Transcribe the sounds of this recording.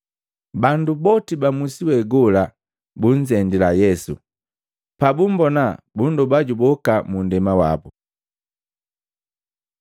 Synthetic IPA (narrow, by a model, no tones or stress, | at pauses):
bandubɔtibamusiwɛɡɔla | buɲd͡ʒɛndilajɛsṵ | pabumbɔnabundubaɟubɔkamundɛmawa̰bu